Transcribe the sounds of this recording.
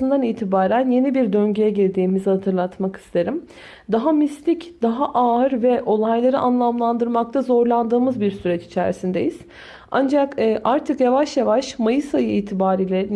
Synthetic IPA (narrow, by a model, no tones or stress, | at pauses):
ɯnd̪aniːt̪ʰibaːɾænje̞nibiɾd̪øɲɟyjɛɟiɾd̪iːmizhat̪ʰɯɾlˠat̪maki̥st̪ʰe̞ɾim | d̪aɦamislʲicd̪̥aɦaʔaːɯɾvɛʔo̞lˠajlˠaɾɯʔanlˠamlˠand̪ɯɾmak̚t̪ʰazo̞ɾlˠand̪ɯːmɯzbiɾsyɾɛt͡ʃi̥t͡ʃʰæ̰ɾsind̪e̞jiz̥ | a̰nd͡ʒakːʔaɾt̪ʰɯkjavaʃjavaʃmajɯsajɯiːt̪ʰibaːɾiːlʲɛ